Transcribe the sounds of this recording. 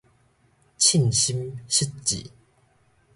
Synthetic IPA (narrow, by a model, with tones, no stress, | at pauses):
t͡ɕʰi˥˨nɕi˦˥mɕi˥tt͡ɕḭ˨